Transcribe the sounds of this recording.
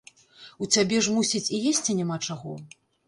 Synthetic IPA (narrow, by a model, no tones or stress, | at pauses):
ut͡sʲabʲɛʐmusʲit͡sʲijesʲt͡sʲinʲamat͡ʂaɣɔ